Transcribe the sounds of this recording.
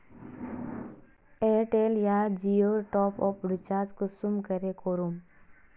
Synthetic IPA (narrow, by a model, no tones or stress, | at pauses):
eʈeljad͡ʒioɾʈɔːpɔpɖɪt͡ʃaːɾd͡ʒkusumkəɾekʰoɾum